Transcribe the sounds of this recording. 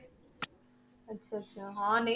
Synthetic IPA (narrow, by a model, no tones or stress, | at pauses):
ɐtːɕʰaɐtːɕʰaɦãːnɐ